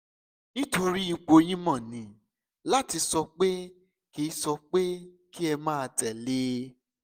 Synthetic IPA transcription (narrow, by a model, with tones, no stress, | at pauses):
nĩ˦to˧ɾi˦i˨˧k͡po˧j̃ĩ˦mã˦˨nĩ˨˦ | la˦ti˧sɔ˧k͡pe˦ | ki˧˦sɔ˧k͡pe˦ | ki˦ɛ˧mãː˦˧tɛ˨le˦